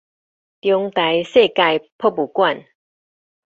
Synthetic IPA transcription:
t̪jɔ˧ŋt̪a˨˦jse˥˧ka˥˧jpʰɔ˥˧˨pu˨˩kwa˥˨n

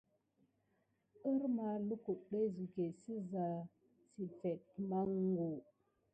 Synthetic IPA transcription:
ə˦ɾma˨lu˦ku˨ɗe˦zi˨ɡe˨si˦za˨ | si˨fe˨t̚ma˦ŋɡo˨

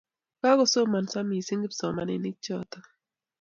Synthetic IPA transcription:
ka˦kɔ˨so˦ma˨nsa˦mi˨si˦ŋɡɪ˦psɔ˨ma˦nɪ̰˨nɪ˦k̚t͡ʃɔ˨t̪a˦

